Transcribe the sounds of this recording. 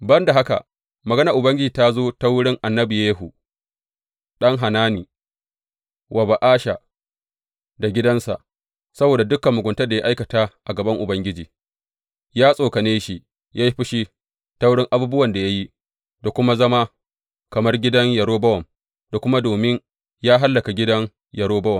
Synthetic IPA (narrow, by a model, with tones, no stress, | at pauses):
bɐ˦nda˨ɦa˦ka̰˨ | mɐ˨ɡɐ˦nɐ˨ʔʊ˨bɐ˦ŋɡʲɪ˦d͡ʒiː˨ta˦zoː˦ta˦wɽɪ˦ŋʔa˨nːɐ˦bi˨jeː˦ɦu˨ | ɗɐ˦ŋɦa˨naː˦niː˨ | wʔɐ˨ba˨ʔaː˦ʃa˨ | da˨ɡʲɪ˦dɐ˦nsa̰˨ʔ | sɐ˦boː˨da˨dʊ˦kːɐ˨mːʊ˨ɡʷʊ˨ntɐ˦dja̰˦ʔa˦jkɐ˨taː˦ʔa˨ɡɐ˨bɐ˦ŋʔʊ˨bɐ˦ŋɡʲɪ˦d͡ʒiː˨ | jaː˦sʼoː˨kɐ˨neː˦ʃi˨ʔ | jʔaː˦ji˦ɸɪ˦ʃi˦ | ta˦wɽɪ˦ŋʔa˨buː˦bʊ˦wɐ˨nda˨ja˦ji˦ | da˨kʷʊ˦ma˦zɐ˦ma˦ | kɐ˨mɐ˦rɡʲɪ˦dɐ˦ɲjɐ˨ɽoː˦bɐ˦wɔ˨m | da˨kʷʊ˦ma˦doː˨mɪ˦ɲ | jaː˦ɦa˦lːɐ˨ka˨ɡʲɪ˦dɐ˦ŋ | jɐ˨ɽoː˦bɐ˦wɔ˨m